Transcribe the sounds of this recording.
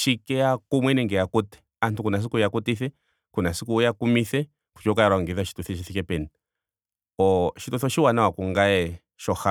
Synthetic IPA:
ʃikɛakumwɛnɛŋɡɛjakutɛ̥ | antʰukunas̬ikujakutiθɛ | kunasikujakumiθɛ | ku̥t͡ʃɔkaaɾwaŋɡiðaʃi̥tuθɛʃiθikɛpɛni | ɔʃituθɔʃiwanawakuŋɡaɛ | ʃɔxa

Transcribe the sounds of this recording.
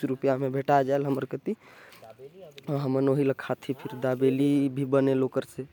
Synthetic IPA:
ɾupjamẽbʱeʈad͡ʒaelɦəməɾkət̪i | ɦəmənoɦiləkʰat̪ʰipʰɪɾd̪abelibʱibənelokəɾse

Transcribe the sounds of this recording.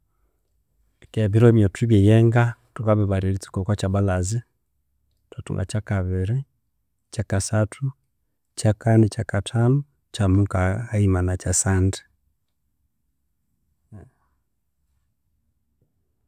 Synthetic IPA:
kɛβiɾɔimjotiβjejɛŋɡatukaβiβaɾilit͡si̥kokwat͡ʃaβalazi | twatṵŋɡa̰t͡ʃakaβiɾi | t͡ʃakasatʰu | t͡ʃakanit͡ʃakatʰanu | t͡ʃamuŋkaimanat͡ʃasandi̥

